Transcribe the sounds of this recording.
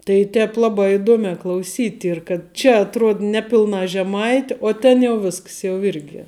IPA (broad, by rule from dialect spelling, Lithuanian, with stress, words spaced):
tɐɪ ˈtʲɛːp ˈlˠɑːbɑː ɪˈduɔmʲɛː klˠɐʊˈsʲiːtʲ ˈiːr kɐt ˈt͡ʃʲɛ ɐtˈruɔt ˈnʲæːˌpʲɪlˠnɐ ʒʲɛˈmɐɪtʲɪ uɔ ˈtʲɛn jɛʊ ˈʋʲɪsks jɛʊ ˈɪrʲɡʲɪ